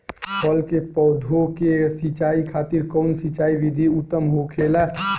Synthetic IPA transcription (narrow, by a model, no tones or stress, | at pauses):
pʰɔlkepɔːd̪ʱokesit͡ʃaːikʰaːt̪iɾkɔʊnsit͡ʃaːiʋid̪ʱiʊt̪ːəmɦokʰeːla